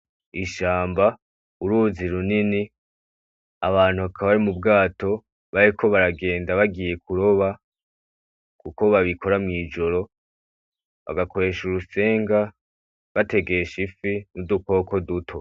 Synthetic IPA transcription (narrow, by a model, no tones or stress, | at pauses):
iʃaːmba | uɾuziɾunini | aβaːn̥huβakʰaβaɾimubɡaːto̞ | βaɾikʰo̞βaɾaɡe̞ːndaβaɡije̞kʰuɾo̞βa | kuko̞βaβikʰo̞ɾamŋiːd͡ʒo̞ɾo̞ | βa̰ɡako̞ɾe̞ːʃuɾuse̞ːŋɡa | βate̞ɡe̞ʃifinuduko̞ːko̞dutʰo̞